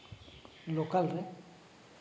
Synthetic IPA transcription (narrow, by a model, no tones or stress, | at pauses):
lokalre